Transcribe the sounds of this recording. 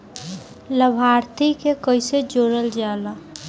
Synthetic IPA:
ləbʱaːɾt̪ʰikekəɪsed͡ʒoːɾəld͡ʒaːla

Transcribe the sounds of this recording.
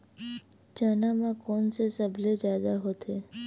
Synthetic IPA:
t͡ʃanamakɔnsesəbled͡ʒaːd̪aɦot̪ʰe

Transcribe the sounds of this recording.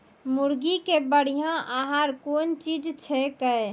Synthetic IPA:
muɾɡikebəɽ̤ijãʔaɦaɾkont͡ʃid͡ʒt͡ʃʰɛkə

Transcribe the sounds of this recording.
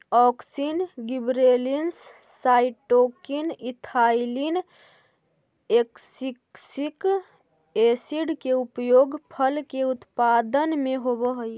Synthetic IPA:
ɔksinɡibɾelinsːaiʈokinit̪ʰailin | eksiksik | esiɖkeupjoɡpʰəlkeut̪pad̪ənmeɦobəɦəj

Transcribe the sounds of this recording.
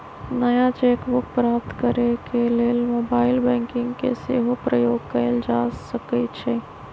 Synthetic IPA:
nəjat͡ʃeːkbʊk̚pɾaːp̚t̪kəɾekeleːlmoːbaːɪlbɛ̃ːŋkɪ̃ŋɡkḛsḛːɦopɾəjoːɡkəɪld͡ʒaːsəkət͡ʃʰe

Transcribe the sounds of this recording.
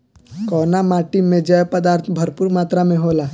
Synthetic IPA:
kɔnamaʈimẽd͡ʒəjpəd̪aɾt̪ʰbʱəɾpuːɾmat̪ɾamẽɦola

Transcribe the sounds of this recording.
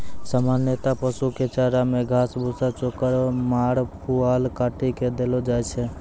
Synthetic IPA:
samanjet̪apəsuket͡ʃaɾameɡʱasbʱusat͡ʃokəɾmaɽpualkaʈiked̪elɔd͡ʒajt͡ʃʰɛ

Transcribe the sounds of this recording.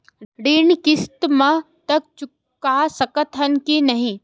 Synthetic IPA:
ɖenkɪst̪mɐ | t̪ɐk̚t͡ʃʊkː | asəkət̪ɦɐnkinɐɦĩ

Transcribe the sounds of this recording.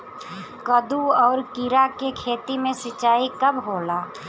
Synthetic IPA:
kɐd̪uɔːɾkɪɾakekʰeːt̪imẽsɐt͡ʃaːikɐbɦoːlaː

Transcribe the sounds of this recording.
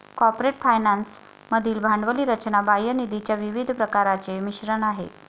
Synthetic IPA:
kɔɾpɾeʈfajnans | məd̪ʱiːlbʱaɳɖʋəliːɾət͡ɕnabajənid̪it͡ɕjaʋiʋid̪ʱpɾəkaɾat͡semiɕɾəɳaɦḛ

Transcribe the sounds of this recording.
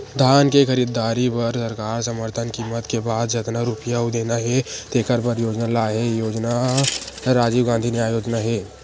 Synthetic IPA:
d̪ʱaːnkekəɾid̪aːɾipɐɾsəɾkaːɾsəməɾt̪ʰənkiːmːət̪kebaːd̪d͡ʒɪt̪naɾupjaɦud̪eːnaɦɛt̪eːkəɾpəɾjoːd͡ʒnalaːɦɛjoːd͡ʒna | ɾaːd͡ʒiːʋɡãːnd̪ʱineaːjoːd͡ʒnaɦɛː

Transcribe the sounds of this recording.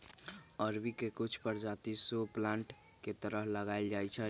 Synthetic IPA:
əɾbikekut͡ʃʰpəɾd͡ʒat̪isoplãɳʈ | ket̪əɾəɦləɡajld͡ʒajt͡ʃʰɛ

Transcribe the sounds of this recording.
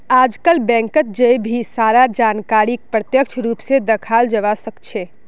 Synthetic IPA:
ad͡ʒkəlbɛ̃ŋkət̪̚d͡ʒejbʱisaɾad͡ʒankaɾik̚pɾət̪jək̚t͡ʃʰɾupsed̪əkʰald͡ʒəʋasəkt͡ʃʰe

